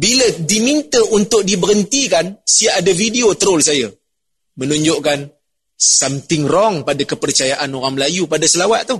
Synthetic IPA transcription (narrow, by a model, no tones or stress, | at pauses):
bilədimint̪əʔunt̪ʊk̚dibəɾənt̪ikansiaːdafidiot̪əɾʊlsaja | mənuɲd͡ʒʊʔkan | samt̪ɪŋrɔŋpadakəpərt͡ʃajaʔanoɾaŋməlajupadasəlawaʔ̪̚t̪uh